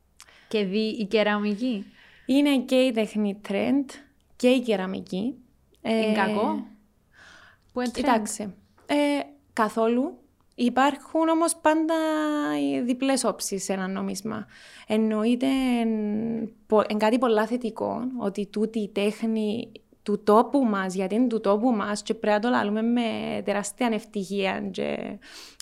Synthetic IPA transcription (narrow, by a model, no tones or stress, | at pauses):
ceðiiceɾɐmici | ine̞ce̞it̪exnit̪ɾe̞nd̪ | ce̞iceɾɐmḭci | eŋkɐko | p̪it̪aksi | e | kɐθo̞lu | ipɐɾxuno̞mo̞spɐnd̪ɐ | ðipleso̞psisenɐnːomizmɐ̰e̞nːo̞it̪en | poʔeŋɡat̪ipo̞lːɐθet̪iko̞̰no̞̰t̪it̪ut̪it̪exni | t̪ut̪o̞pumɐsʝɐt̪int̪ut̪o̞pumɐst͡ʃe̞pɾeɐt̪ola̰lume̞mːe̞t̪eɾast̪iɐne̞ft̪içiɐ̰nt͡ʃe̞̰